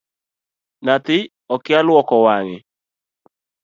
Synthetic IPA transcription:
nat̪ɪ | ɔkɪalwɔkɔwaŋɪ̰

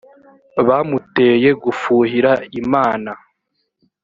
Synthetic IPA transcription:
βamute̞je̞ɡufuːhiɾaimaːna

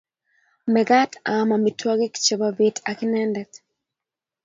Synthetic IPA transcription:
mɛɡatamamitʰwaɡikt͡ʃɔbavetakinɛndɛk

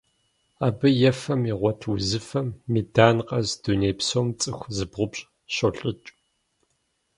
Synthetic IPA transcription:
aːbɨjɛfɐmiʁʷɔtʰwuzɨfɐmːiːdaːnqɐzd̥unejpsoːmt͡sʼɨxʷzɨbʁʷʊpɕʼ | ɕoɬʼɨt͡ʃʼ

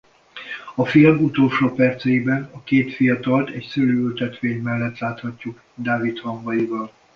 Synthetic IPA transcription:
ɒfilmut̪o̞lʃoːpɛrt̪sɛjibɛnɒkeːt̪fijɒt̪ɒlt̪ɛcsøløːylt̪ɛt̪ʋeːɲmɛlːɛt̪laːt̪hɒcːuɡ | d̪aːvit̪hɒmbɒjivɒl

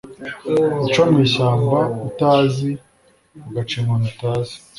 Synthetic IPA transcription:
it͡ʃamwiːɕaːmbautaːzi | ɡat͡ʃeŋonutaːzi̥

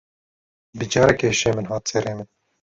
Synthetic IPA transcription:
bɨd͡ʒɑːɾɛkeːʃeːmɨnɦɑːt̪̚t͡sʰɛɾeːmɨn

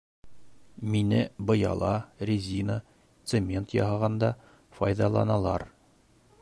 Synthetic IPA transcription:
minɘbɤ̆jɑ̰lˠɑrʲɪzʲinə | t̪semʲe̞nt̪jɒ̰ɦɑʁɑnd̪ɑ | fɒjðɑlˠɑ̰nɑlˠɑɾ

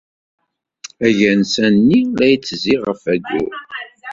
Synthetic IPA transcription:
æʝænsænːilæjt͡sːəziʁəfæɡʊ̰ɾ

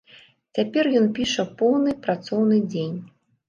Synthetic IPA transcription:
t͡sʲapʲɛrjɔnpʲiʂɐpɔwnɨpɾat̪sɔwnɨd͡zʲenʲ

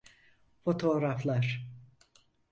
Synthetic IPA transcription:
fo̞t̪ʰo̞ːɾaflˠaɾ̥

